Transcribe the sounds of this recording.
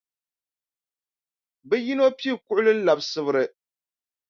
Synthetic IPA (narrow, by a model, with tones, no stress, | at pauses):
bɛ˦ji˦no˦pi˦˨kʊ˦ʔʊ˦lɨ˦n̩˦la˨bsɨ˦bɨ˦ɾɨ˦